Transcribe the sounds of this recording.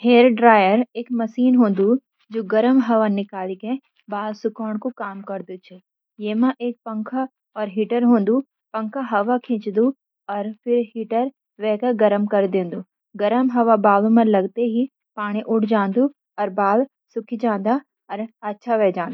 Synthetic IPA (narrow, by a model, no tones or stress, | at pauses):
ɦeːɾɖɾaːjəɾeːkmɐsiːnɦõːnd̪u | d͡ʒoːɡɐɾəmɦɐʋanɪkaːlikɛ̃ | baːlsʊkɔːɽ̃kokaːmkɐɾd̪ut͡ʃʰɛ | jeːmãʔeːk̚pɐ̃ŋkʰa | ɔːɾɦiːʈəɾɦõːnd̪u | pɐ̃ŋkʰaɦɐʋakʰẽːt͡ʃd̪u | ɔːɾpʰɪɾɦiːʈəɾ | ʋɛːkaɡɐɾəmkɐɾd̪ẽːnd̪uː | ɡɐɾəmɦɐʋabaːl̃mɐ̃lɐɡt̪eɦi | paːɽ̃ĩʔʊʈʰd͡ʒãːnd̪u | ɔːɾbaːl | sʊkʰid͡ʒãːnd̪a | ɔːɾɐtːʃʰaʋɛːd͡ʒãːnd̪a